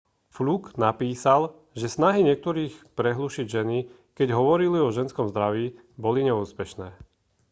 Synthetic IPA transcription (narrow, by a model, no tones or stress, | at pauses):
fluɡnapiːsal | ʒɛsnaɦiɲɪɛk̚t̪ɔɾiːxpɾɛɦluʃiɟʒɛni | kɛɟɦɔʋɔɾiliɔʒɛnskɔmzd̪ɾaʋiː | bɔliɲɛuːspɛʃnɛː